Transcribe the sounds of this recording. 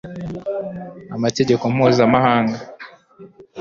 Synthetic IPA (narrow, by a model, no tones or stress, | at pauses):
amate̞ɟe̞komhuːzamahaːŋɡa